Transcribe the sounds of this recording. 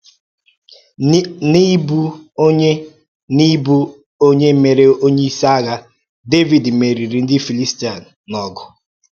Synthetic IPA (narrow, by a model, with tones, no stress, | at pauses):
ni˦bu˦o˦ɲe˦ | ni˦bu˦ | o˦ɲe˦me˨ɾe˦o˦ɲe˦i˦sa˦ɣa˦ | de˦vi˨dme˨ɾi˨ɾi˨n̩˦dɪ˦fi˨li˦sti˦a˨n̩˨nɔ˨ɡʊ˨